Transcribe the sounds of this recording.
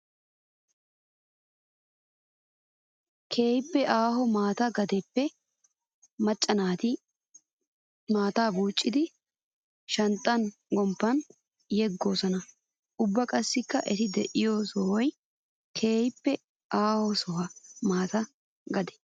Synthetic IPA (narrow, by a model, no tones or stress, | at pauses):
kʰe̞ːjɪpːɛʔaːɦɔmaːt̪ɐɡɐd̪ɛpːɛ | mɐt͡ʃʼːɐnaːt̪ɪ | maːt̪aːbuːt͡ʃʼːɪd̪ɪ | ʃɐnt̪ʼːɐnɡɔmpːɐn | jɛɡːoːsɔnɐ | ʊbːɐkʼɐsːɪkːɐʔɛt̪ɪd̪ɛʔɪjoːsɔwɔj | kʰe̞ːjɪpːɛ | ʔaːhɔsɔɦɐmaːt̪ɐ | ɡɐd̪ɛ̥